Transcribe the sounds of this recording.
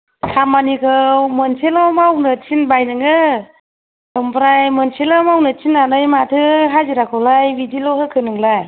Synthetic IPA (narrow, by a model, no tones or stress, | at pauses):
tʰamanikʰɯmɯnsʰelɔmawnɯtʰinbajnɯŋɯ | ɯmpɾajmɯnsʰelamawnɯtʰinanɯjmatʰɯɦajziɾakʰɯwlajwidilɔɦɯkʰɯnɯŋlaj